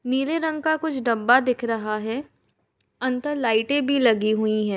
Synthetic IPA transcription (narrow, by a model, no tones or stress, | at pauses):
niːleɾə̃ŋɡkakʊt͡ʃʰɖɐbːad̪ɪkʰɾɐɦaɦɛː | ɐ̃nt̪əɾlaːɪʈẽbʱilɐɡiɦʊiɦɛː